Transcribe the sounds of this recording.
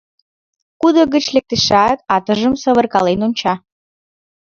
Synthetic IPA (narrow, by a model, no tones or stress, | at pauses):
kud̪əɣət͡ɕlek̚t̪eʃɑt̪ɑt̪əʒəmsəβərkɑlenont͡ɕɑ